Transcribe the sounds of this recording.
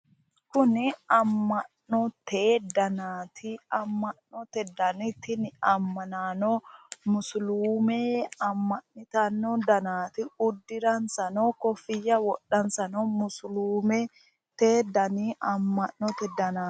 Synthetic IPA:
kʊnɪɐmːɐnːɔt̪eːd̪ɐnaːt̪ʰɪɐmːɐnːɔt̪ɛd̪ɐnɪt̪ɪnɪɐmːɐnaːnɔmʊsluːmeɐmːɐʔnɪt̪ɐnːɔd̪ɐnaːt̪ɪʊd̪ːɪɾɐnsɐnɔkɔfɪjːɐwɔɗːɐnsɐnɔmʊsluːmɛ | t̪eːd̪ɐniʔɐmːɐnnɔt̪ɛd̪ɐnaː

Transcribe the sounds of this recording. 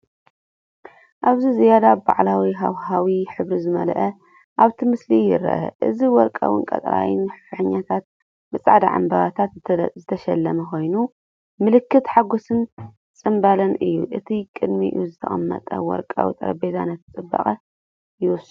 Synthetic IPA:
ʔaβzizijad̪aba̰ʕlawiɦa̰whawiħɨβɾizɨmɐlʔɐ | ʔaβt̪ʰimɨslijɪ̰ɾɐ̰ʔɐ̰ʔɨ̰ziwɔɾkʼa̰wɨ̰nkʼɐt̪ʼɾa̰jɪ̰nːħɨfħɨɲːat̪ʰat̪̚ | bɨsʼa̰ʕd̪aʕa̰mbɐβat̪ʰat̪zɨt̪ʰɐʃɐlːɐmɐxo̞jnu | mɨlɨkːɨt̪ħaɡo̞sɨn | t͡sʼɨmbalɐnʔɨjːuʔɨt̪ʰikʼɨd̪mḭʔɨ̰juzɨt̪ʰɐxʼɐmːɐ̰t̪ʼɐ̰wɔ̰ɾkʼa̰wḭt̪ʼɐ̰ɾɐbeza̰nɐt̪ʰːt͡sʼɨbːɐ̰χʼɐ | jɪwʊs

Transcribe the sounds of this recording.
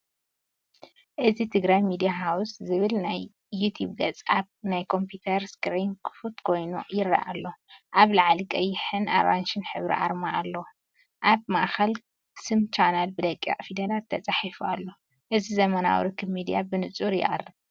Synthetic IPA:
ʔɨzit̪ʰɨɡɾajmid̪ijaɦawuszɨβɨlnajː | ut̪ʰjuβɡɐt͡sʼaβnajkʰo̞mpʰjut̪ʰɐɾskɾinkʰɨ̥fut̪kʰo̞jnujɪrːa̰ʔa̰lːo̞ʔaβlaʕalikʼɐjːɪħɨna̰ɾanʃɨnħɨβɾḭʔaɾmaʔːlːo | ʔaβmaʔxɐl | sɨmt͡ʃʰanalbɨd̪ɐkʼːa̰ʔʼfid̪ɐlat̪ʰːɐt͡sʼaħifualːo̞ | ʔɨzizɐmɐna̰wɾɨkʰɨbmid̪ijabɨnɨt͡sʼuɾjɪ̰ʔʼɐ̰rːɨβ

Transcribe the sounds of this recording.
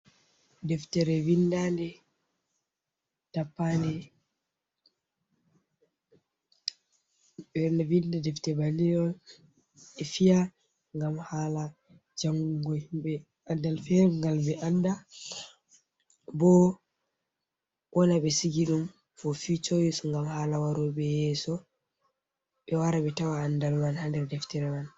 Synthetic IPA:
dɛftɛɾɛwindandɛ | tapːandɛ | bɛnɛwindɛdɛftɛbalijɔ | ɛfija | ŋɡamhala | d͡ʒaŋɡuɡɔhimbɛ | andalfɛɾŋɡalbɛʔanda | bɔ | wʔɔnaɓɛsiɡiɗum | fɔfit͡ʃojisɔŋɡamhaːlawaɾɔbɛjɛsɔ | ɓɛwaɾaɓɛtawaːndalmanhandɛɾdɛftɛɾɛman

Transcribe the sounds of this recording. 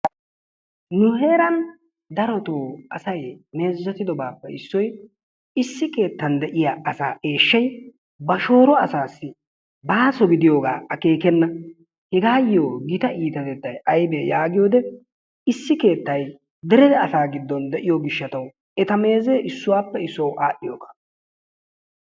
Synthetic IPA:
nʊhe̞ːɾɐn | d̪ɐɾɔt̪oːɐsɐjme̞ːzːɐt̪ɪd̪ɔbaːpːɛɪsːɔj | ɪsːɪke̞ːt̪ːɐnd̪ɛʔɪjaʔɐsa̰ːʔe̞ːʃːɐj | bɐʃo̞ːɾɔɐsaːsːɪ | baːsɔɡɪd̪ɪjoːɡa̰ːɐke̞ːkɛnːɐ | hɛɡaːjɪjoːɡɪt̪ɐʔiːt̪ɐt̪ɛt̪ːɐjɐjbeːjaːɡɪjo̞ːd̪ɛ | ɪsːɪke̞ːt̪ːɐj | d̪ɛɾɛd̪ɛɐsaːɡɪd̪ːɔnd̪ɛʔɪjoɡɪʃːɐt̪ɐw | ɛt̪ɐme̞ːzeːʔɪsːʊwaːpːɛɪsːɔwʔaːʔːɪjoːɡḁː

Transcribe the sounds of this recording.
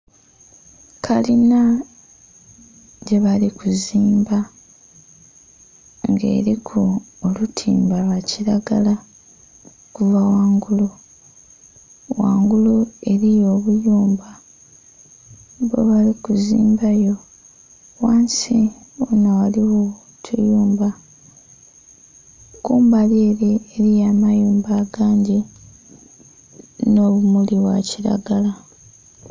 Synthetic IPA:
kʰalina | ɟe̞βalikuziːmba | ŋɡe̞̰ːɾikʰoː | lutʰḭːmbalwaciɾaɡala | kuvawaːŋɡulu | waːŋɡulue̞ɾijo̞ːβujuːmba | βḛβalikuzḭːmbajo̞ | waːnsionawaliwo | tʰṵjuːmba | kuːmbaleːɾieɾijaːmajuːmbaːɡaːɲɟi | no̞ːβumuliβwaciɾa̰ɡala

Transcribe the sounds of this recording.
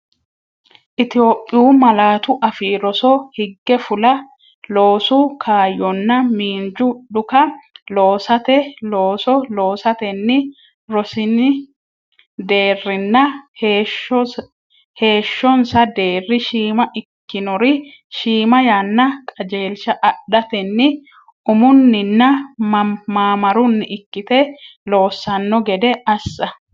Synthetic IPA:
ʔɪt̪ɪjo̞ːpʼːɪjuːmɐlaːt̪ʊʔɐfiːɾɔsɔhɪɡːɛfʊlɐ | lo̞ːsukʰaːjːɔnːɐmiːnd͡ʒʊɗʊkɐloːsɐt̪ɛloːsɔlo̞ːsɐt̪ɛnːɪ | ɾɔsɪnɪ | d̪e̞ːrːɪnːɐheʃɔ | he̞ːʃːɔnsɐd̪e̞ːrːɪʃiːmɐʔɪkːɪnɔɾɪ | ʃiːmɐjaːnːɐkʼɐd͡ʒe̞ːlʃɐʔɐɗɐt̪ɛnːɪ | ʊmʊnːɪnːɐ | maːmɐɾʊnːɪʔɪkːɪt̪ɛlo̞ːsːɐnːɔɡɛd̪ɛɐsːɐ

